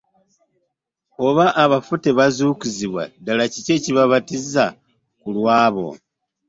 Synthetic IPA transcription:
o̞βaʔːβafute̞βazuːkuziβwa̰dalacice̞ːciβaβatiza | kulwaːβo̞̰

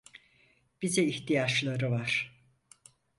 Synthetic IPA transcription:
b̥izɛiçt̪ʰijat͡ʃlˠaɾɯvaɾ̥

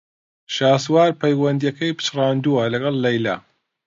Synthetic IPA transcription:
ʃaːswaːɾpʰɐjwɐnd̪ijɐkɐjpʰɨ̥t͡ʃrɑːnd̪uwɐlɐɡɑlˠːɐjla̰

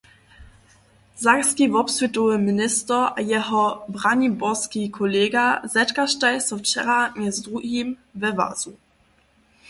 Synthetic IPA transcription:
zakskʲivɔpsvʲituəminɪstəʔajɛɦɔbʁaɲibɔskʲikʰɔlɛɡazɛtkaʃtajsɔft͡ʃɛɾaɲɛzdʁuɡimvɛva̰zu

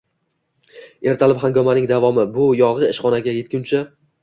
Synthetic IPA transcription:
e̞ɾt̪ʰalɪphaŋɡʲɒmanɪŋd̪avɒmɪbʊjɒʁɨɪʃχɒnaɡʲaje̞t̪̚kʲʊnt͡ʃʰɪ

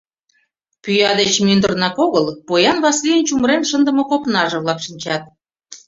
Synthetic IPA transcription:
pyjɑd̪et͡ɕmynd̪ərnɑkoɣəlpojɑnβɑslʲijənt͡ɕumɾenʃənd̪ə̆mŏkopnɑʒɤ̆βlɑkʃinʲt͡ɕɑt̪̚

